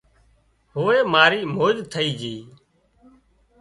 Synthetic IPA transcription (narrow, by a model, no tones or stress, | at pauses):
ɦoːeːmaːɾiːmoːd͡ʒt̪ʰəiːd͡ʒiː